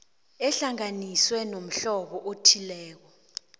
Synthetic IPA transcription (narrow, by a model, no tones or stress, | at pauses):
ɛɬaŋaniswɛnom̩ɬɔɓɔʔotʰilɛːk̬ɔ